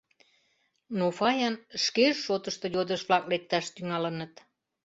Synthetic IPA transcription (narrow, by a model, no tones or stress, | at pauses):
nofɑjɑnʃkeʃːot̪əʃt̪ŏjod̪əʃβlɑk̚lek̚t̪ɑʃt̪yŋɑlənət̪